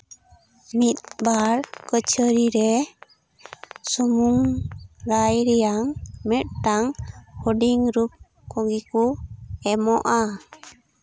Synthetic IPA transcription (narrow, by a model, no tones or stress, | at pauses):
mit̪̚baɾkət͡ʃʰəɾiɾɛ | sɔmuŋɾajɾɛjaŋmɛt̪̚ʈaŋhɔɖiŋɾup̚ | kɔɡikuɛmɔʔa